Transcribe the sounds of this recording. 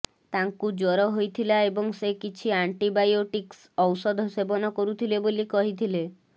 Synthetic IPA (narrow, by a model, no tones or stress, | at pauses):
t̪aŋkud͡ʒɔɾɔɦojt̪ʰilaebɔŋsekit͡ʃʰiaɳʈibajoʈiks | ɔwsɔd̪ʱɔsebɔnɔkɔɾut̪ʰilebolikɔɦit̪ʰile